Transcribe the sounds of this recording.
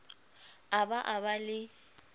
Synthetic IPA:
abaʔaβalɪ

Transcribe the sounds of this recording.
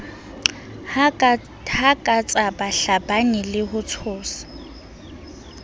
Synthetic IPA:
hakʼat͡sʼabaɬabanilɪhʊt͡sʰʊːsḁ

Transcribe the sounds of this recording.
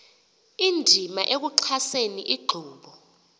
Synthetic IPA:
indʱimaʔek̬uǀʰaseniʔiɡ͡ǃʱuːɓɔ

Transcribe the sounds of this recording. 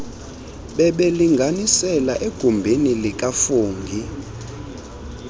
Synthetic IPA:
ɓɛɓeliŋɡʱanisɛlaʔeɡ̥ʱumbʱinilikʼafuːŋɡʱi

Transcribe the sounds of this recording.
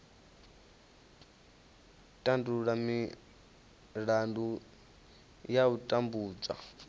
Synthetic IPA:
tʼanduɺami | ɺandu | jautʼambuːd͡za̰

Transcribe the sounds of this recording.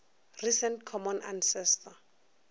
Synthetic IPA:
risɛntkʰɔmɔna̰nsɛsta

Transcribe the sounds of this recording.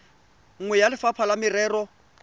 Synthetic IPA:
ŋ̩ŋwɛjalɪfapʰalamɪrɛːrɔ

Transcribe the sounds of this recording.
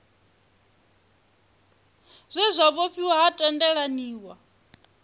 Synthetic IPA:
zʷɛzʷaβoɸʰiwaɦatʼɛndɛɺaniːwa

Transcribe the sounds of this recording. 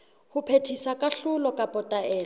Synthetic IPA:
hʊpʰetʰisakʼaɬʊlɔkʼapʼɔtʼaɛːl

